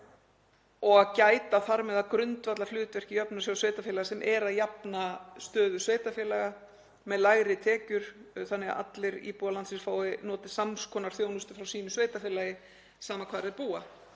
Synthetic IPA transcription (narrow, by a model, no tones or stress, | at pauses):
ɔɣaðcaːjt̪aθaɾmɛðakɾʏnt̪vat̪laflʏːt̪vɛr̥cɪjœpnḁsjawsveːjt̪afɛːlaɣasɛmʔɛɾaðjapnast̪œːðʏsveːjt̪afjɛːlaɣa | mɛðlaɣɾɪt̪ʰɛːcʏɾ̥θanːɪɣa̰a̰t̪lɪɾḭpuːalant̪sɪnsfaːwɪnɔːt̪ɪ̥samskʰɔːnaɾ̥θjoːwnʏst̪ʏfɾawsiːnʏsveːjt̪afɛːlajɪ | saːmakʰvaːðɾaðpuːa